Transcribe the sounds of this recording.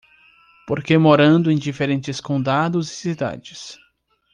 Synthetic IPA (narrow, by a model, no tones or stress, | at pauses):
poɾkemoɾɐ̃nd̪ʊẽj̃d͡ʒifeɾẽnt͡ʃɪskõd̪ad̪ʊzɪsid̪a̰d͡ʒɪs